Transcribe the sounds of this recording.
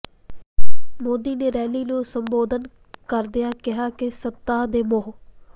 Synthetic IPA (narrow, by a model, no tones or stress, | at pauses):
moːd̪iːneːɾɛːliːnũːsəmboːd̪ən | kəɾd̪ɪjãːkɪɦaːkɪsət̪ːaːd̪eːmoɦ